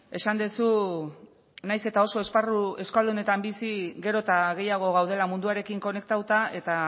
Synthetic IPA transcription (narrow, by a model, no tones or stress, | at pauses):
e̞sand̪esu | najse̞t̪ao̞so̞e̞sparue̞skald̪une̞t̪ambisiɡe̞ɾo̞t̪aɣ̞e̞jaɣ̞o̞ɣ̞awð̞e̞lamund̪uaɾe̞kiŋko̞ne̞k̚t̪awt̪ae̞t̪a